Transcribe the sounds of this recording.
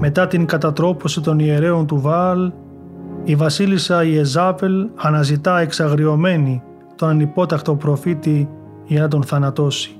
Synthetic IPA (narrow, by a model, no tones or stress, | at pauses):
me̞t̪ɐt̪iŋkɐt̪ɐt̪ɾo̞po̞sit̪o̞nie̞ɾe̞o̞nt̪uvɐl | ivɐsilisɐiezɐpe̞lɐnɐzit̪ɐe̞ksɐɣɾio̞me̞ni | t̪o̞nɐnipo̞t̪ɐkt̪o̞pɾo̞fit̪i | ʝɐnɐt̪̬o̞nθɐnɐt̪o̞si̥